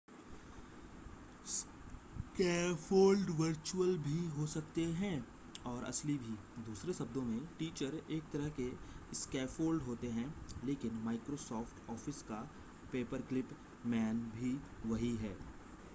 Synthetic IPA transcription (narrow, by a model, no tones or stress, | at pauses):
s | kɛːfoːlɖʋɐɾt͡ʃuəlbʱiɦosɐk̚t̪eɦɛ̃ː | ɔːɾɐ̰slibʱi | d̪uːsɾesɐb̚d̪õmẽʈiːt͡ʃəɾeːk̚t̪ɐɾəɦkeskɛːfʰoːlɖɦoːt̪eɦɛ̃ːleːkɪnmaːɪkɾosɔːfʈɔːfʰɪska | peːpəɾklɪp | mɛːnbʱiʋɐɦiɦɛː